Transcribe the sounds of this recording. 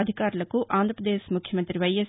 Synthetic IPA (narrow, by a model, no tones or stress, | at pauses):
ɐd̪ʱikaːɾulɐkuʔaːnd̪ʱɾɐpɾɐd̪eːsmukʰjɐmɐnt̪ɾiʋɐje